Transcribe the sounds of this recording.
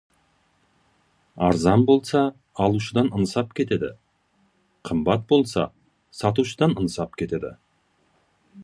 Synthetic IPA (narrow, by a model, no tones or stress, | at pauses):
ɑ̰ɾzɑnbo̞lˠsɑː | lˠuʃəd̪ɑnənsɑp̚kʲʰe̞t̪e̞d̪ɪ̰ | qʰəmbɑt̪̚bo̞lˠsɑ̰ | sɑt̪uʃəd̪ɑnənsɑpkʲʰe̞t̪e̞d̪ɪ̰